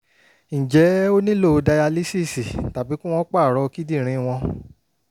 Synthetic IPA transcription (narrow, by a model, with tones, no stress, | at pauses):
ñ̩˨d͡ʒɛ˨˦o˦nĩ˦lo˦˨˧da˧ja˧li˦si˦˨si˨ta˨bi˨˦kũ˦w̃ɔ̃˦k͡pa˦˨ɾɔ˧ki˦di˦˨ɾ̃ĩ˧w̃ɔ̃˧